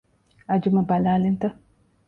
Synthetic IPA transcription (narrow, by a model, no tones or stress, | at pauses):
ad͡ʒumabalaːlint̪ə